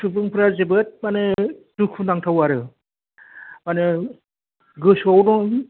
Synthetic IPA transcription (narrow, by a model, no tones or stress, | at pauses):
tʰɯbɯŋpʰɯɾazebɯt̚manɯdukʰunaŋtʰawaɾɯ | manɯ | ɡɯsɔwdɔ